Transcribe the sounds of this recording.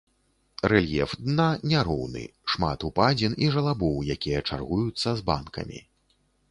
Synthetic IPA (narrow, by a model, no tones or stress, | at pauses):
rɛlʲjɛfd̪nanʲaɾɔwnɨ̰ʂma̰t̪upad͡zʲiniʐɐlˠabɔwjakʲijɐt͡ʂa̰rɣujut̪sːɐzba̰nkɐ̰mʲḭ